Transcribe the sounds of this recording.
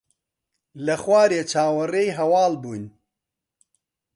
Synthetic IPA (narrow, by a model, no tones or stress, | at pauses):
lɐxwaːɾeːt͡ʃʰaːwɐreːjɦɐwaːlbuːn